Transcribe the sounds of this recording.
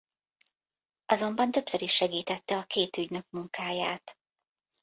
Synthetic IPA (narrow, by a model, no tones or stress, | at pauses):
ɒzo̞mbɒnt̪ø̞psøɾiʃːɛɡiːt̪ɛt̪ːɛɒkeːt̪yɟnøkmuŋkaːjaːt̪